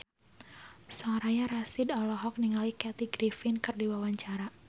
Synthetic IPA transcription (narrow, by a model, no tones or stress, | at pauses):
sɔɾajaɾasɪdɔlɔɦɔk̚niŋalikɛt̪iɡɾifɪnkɨrdiwawaɲt͡ʃaɾa